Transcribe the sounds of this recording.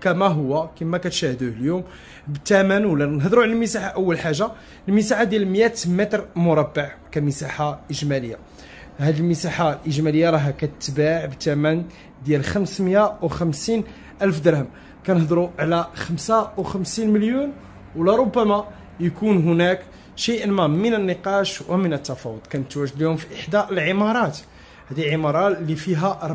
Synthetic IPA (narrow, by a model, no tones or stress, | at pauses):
kæmæɦʊwːækimːækæt̪ʃæhd̪uhljum | bt̪æmənwlːænəɦd̪ɾuʕlælməsaħaʔəwːəlħaʒːa | əlməsaħad̪jælməjæt̪mæt̪ɾˤmʊɾˤɑbːəʕkæməsaħaʔəʒmæləjːa | hæd̪əlməsaħalʔəʒmæləjːɑɾˤɑɦækæt̪ət̪ːbaʕbt̪æmæn | d̪jælxəmsmjawxæmsin | ʔælfd̪ɑɾˤhəm | kænəhd̪ɾuʕlæxəmsawxəmsinməljun | wlæɾˤobːæma | jəkunɦʊnæk | ʃəjʔənmæmənənːəqɑʃwəmənət̪ːæfɑwəd̪ˤkænət̪ːwæʒəd̪lihʊmfiʔəħd̪aʔəlʕəmɑɾˤɑt̪ | hæd̪ilʕəmɑɾˤɑlifiɦæ